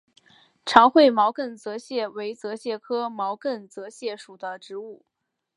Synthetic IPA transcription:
ʈ͡ʂʰɑ˧˥ŋxwe˥˩ɪmɑ˧˥ʊkə˥˩nt͡sɤ˧˥ɕjɛ˥˩we˧˥ɪt͡sɤ˧˥ɕjɛ˥˩kʰɤ˥mɑ˧˥ʊkə˥˩nt͡sɤ˧˥ɕjɛ˥˩ʂu˨˩d̪ə˦ʈ͡ʂɻ̩˧˥u˥˩

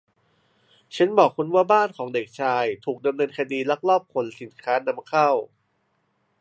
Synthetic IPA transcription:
t͡ɕʰa˦˥nbɔː˨˩kʰːo˧nwaː˥˩baː˥˩nkʰɔː˩˦ŋde˨˩k̚t͡ɕʰaː˧jt̪ʰuː˨˩k̚da˧mnɤː˧nkʰa˧diː˧la˦˥k̚lɔː˥˩p̚kʰo˧nsi˨˩˦nkʰaː˦˥na˧˥mkʰa˥˩w

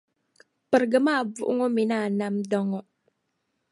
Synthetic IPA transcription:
pə˨ɾɡə˨ma˦˨b͡vṵ˨ʔṵ˦ŋo˦mi˨na˦˨na˨mdɔ˨ŋɔ˦ʔ

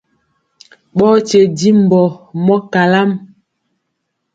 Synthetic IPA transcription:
ɓɔ˦t͡ʃe˨di˦m̩˨bɔ˨mɔ˦ka˨la˦m

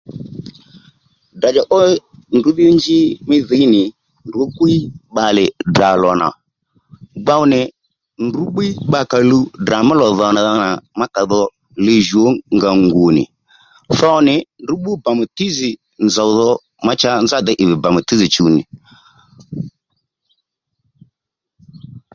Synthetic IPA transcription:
da˨d͡ʒa˨ʔɔ˦ndu˨˦ðɪ˦ɔ˦ɲd͡ʒɪ˦mɪ˦ðɪ˨˦nɪ˨ | ndo˦kwi˦ɓa˨lɛ˨da˨lɔ˨na̰˨ | ɡ͡ba˦u˦nɛ˨ | ndu˨˦ɓi˦ɓa˨ka˨lu˦da˨ma˦lɔ˨ðɔ˨na˨ða˦na˨ma˦ka˨ðɔ˦ | le˨ʒu˨o˨˦ŋɡa˨ŋɡu˨nɪ̰˨ | θɔ˦nɪ˨ndʊ˨˦ɓu˦ba˨m˨ti˦zɪ˨ | nza˨˦ðɔ˧ | ma˦t͡ʃa˦nza˦˨d̪ɛ˦ʔɪ˨βɪ˨ba˨m˨ti˦zi˨t͡ʃu˨nɪ̰˨

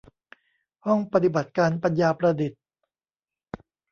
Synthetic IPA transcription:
hɔ˥˩ŋpa˧t̪i˨˩ba˨˩t̪̚kaː˧npa˧njaː˧pɾa˧di˨˩t̪̚

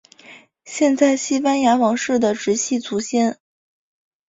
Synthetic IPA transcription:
ɕjɛ˥˧nt͡sa˥˩ɪɕi˥fa˥nja˧˥wɑ˧˥ŋʂɻ̩˥˩d̪ə˩ʈ͡ʂɻ̩˧˥ɕi˥˩t͡sʰu˧˥ɕjɛ˥˩n

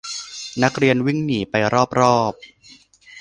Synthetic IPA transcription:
na˦˥k̚ɾi˧ənwi˥˩ŋniː˩˦pa˧jɾɔː˥˩p̚ɾɔː˥˩p̚

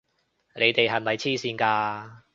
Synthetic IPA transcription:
lʔe˨˧jt̪e˨jɦɐ˨jmɐ˨jt͡sʰiː˥˩siː˧nkaː˧

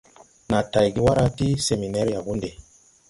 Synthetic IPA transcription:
na˨ta˨jɡi˦wa˦ɾa˦ti˦se˨mi˨nɛ˦ɾja˨ɡu˦nde˨

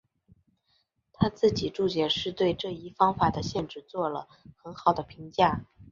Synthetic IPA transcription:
t̪ʰa˥t͡sɹ̩˥˩t͡ɕi˨˩ʈ͡ʂu˥˩t͡ɕjɛ˥˩ʂɻ̩˥˧t̪we˥˧ɪʈ͡ʂɤ˥˧i˥˩fɑ˥ŋfa˨˩d̪ə˦ɕjɛ˥˧nʈ͡ʂɻ̩˥˩t͡swɔ˥˩lə˩ | xə˧˥nxɑ˨˩ʊd̪ə˦pʰi˧˥ŋt͡ɕja˥˩

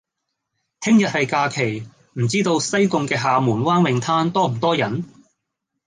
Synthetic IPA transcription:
t̪ʰɪ˥ŋjɐ˨t̚hɐ˨jkaː˧kʰe˨˩j | m̩˨˩t͡siː˥t̪o˧wsɐ˥jkʊ˧ŋkɛː˧ɦaː˨muː˨˩nwaː˥nwɪ˨ŋt̪ʰaː˥nt̪ɔː˥m̩˨˩t̪ɔː˥jɐ˨˥n

